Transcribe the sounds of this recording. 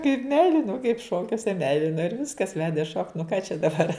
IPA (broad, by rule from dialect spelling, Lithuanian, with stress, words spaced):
kɐɪp ˈmʲɛɪlʲɪnoː kɐɪp ˈʃoːkʲuɔsʲɛ ˈmʲɛɪlʲɪnoː ɪr ˈʋʲɪskɐs ˈʋʲæːdʲeː ʃoːkt nʊ kɑː t͡ʃʲɛ dɐˈbɐr